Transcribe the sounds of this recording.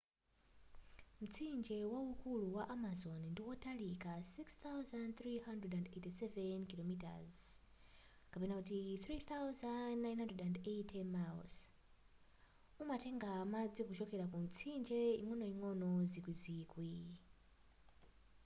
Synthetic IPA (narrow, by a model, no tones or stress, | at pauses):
m̩t͡sʰind͡ʒɛwaukuluwaʔamazɔnindiwɔtalikasikst̪awzandθɾiɦandrɛdandetisɛvɛnkilɔmita̰z | kapɛnakutiθɾiθawuzadnajnhandrɛdandeitʰɛmals | umatɛŋɡamad͡zikuʃɔkɛɾakum̩t͡sʰind͡ʒɛḭŋɔnɔiŋɔnɔzikwiziːkwi